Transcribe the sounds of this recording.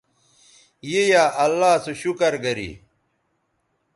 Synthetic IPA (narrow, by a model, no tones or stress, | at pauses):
jejaːʔɐlːaːsuɕukɐɾɡɐɾḭ